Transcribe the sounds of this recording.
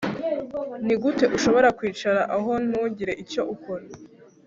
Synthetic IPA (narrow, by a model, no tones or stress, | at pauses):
niɡute̞ʔuʃo̞βo̞ɾakwiːt͡ʃaɾaʔaɦo̞nuːɲɟiɾe̞ʔico̞ʔukoɾa